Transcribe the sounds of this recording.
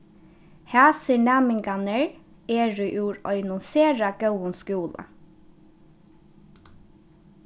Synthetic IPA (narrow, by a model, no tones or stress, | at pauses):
hæːsiɳæːmɪŋɡɑnəɹ | eːɹʉʔuːɹœʏnɔnseːɹɑɡ̥œənskuːlə̰